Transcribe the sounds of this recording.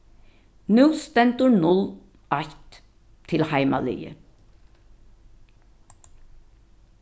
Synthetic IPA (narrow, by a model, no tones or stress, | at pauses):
nʉːst̪ɛnt̪ʊnʊl | ʔɑçt̪ | t̪ʰɪlhæɪmɑ̰ly̰ːə̰